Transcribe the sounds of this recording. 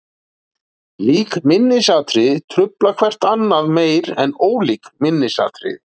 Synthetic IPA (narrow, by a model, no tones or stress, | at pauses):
liːkmɪnːɪsaːt̪ɾɪðt̪ʰɾʏplakʰvɛr̥t̪anːaðmeːjɾɛnoːwliːkmɪnːɪsa̰ːt̪ɾɪ̰